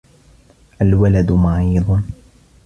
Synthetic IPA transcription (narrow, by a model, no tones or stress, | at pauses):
ʔalwalad̪maʕiːd̪ˤ